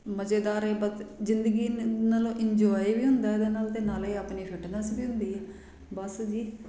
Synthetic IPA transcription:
məd͡ʒeːd̪aːɾeːbət̪zɪnd̪əɡiːnaːlõːʔɪɲd͡ʒɔːiʋiːɦʊnd̪aːeːd̪eːnaːlt̪eːnaːleːapniːfʰɪʈnãːsbiːɦʊ̃nd̪iːɛː | bəsd͡ʒiː

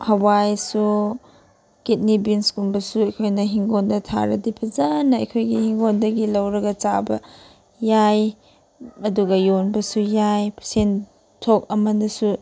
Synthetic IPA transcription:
hɐwajsu | kit̚nibinskunbɐsuɐjkʰojnɐɦiŋɡondɐtʰa̰ɾɐ̰dipʰɐzanɐɐ̰jkʰojɡihiŋɡondɐɡilɐwɾɐɡɐt͡ʃabɐ | jaj | ɐduɡɐjonbɐsujajpʰsen | tʰok̚ɐmɐndɐsu

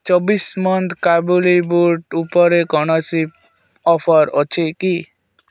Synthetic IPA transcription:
t͡ʃɔbismɔnt̪ʰkabulibuʈupɔɾekɔɽ̃ɔsip̚ | ɔpʰɔɾɔt͡ʃʰiki

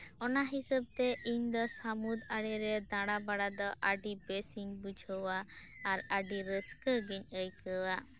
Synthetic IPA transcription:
ɔnaɦisəb̚t̪ɛʔiɲd̪ɔsamud̪aɽɛɾɛd̪ãɽabaɽad̪ɔʔaɖibesiŋbud͡ʒʱɔwaː | ɾaɖiɾəskəɡiɲəjkəwa

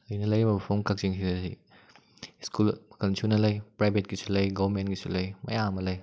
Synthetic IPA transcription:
lɐjnɐlɐjbɐbpʰomkɐk̚ziŋsidɐsi | skulkɐnsʰunɐlɐjpɾajbʱet̚ɡisulɐjɡowmentɡisulɐjmɐ̰jamɐlɐj

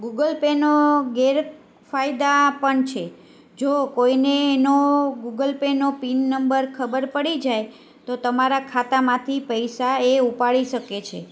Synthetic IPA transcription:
ɡuɡəlpenoɡeɾ | fajd̪apəɳt͡ʃʰe | d͡ʒokoineːnoɡuɡəlpenopinːəmbəɾkʰəbəɾpəɽid͡ʒaj | t̪ot̪əmaɾakʰat̪amãt̪ʰipəjsaeupaɭiʃəket͡ʃʰḛ

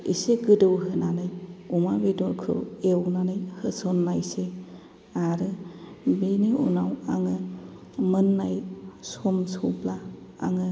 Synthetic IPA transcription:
ḭseɡɯdɯwɦɯnanɯjumabedɔɾkʰɯ̰wewnanɯjhɯsɔnːajse | aɾɯ | beniṵnawaŋɯ | mɯnːajsomsowpla̰ːŋɯ

